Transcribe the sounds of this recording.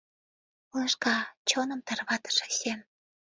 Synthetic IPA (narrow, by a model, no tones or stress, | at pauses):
ulɤʃkɑt͡ɕonə̆mt̪ɑrβɑt̪ə̥ʃĕ̥ɕem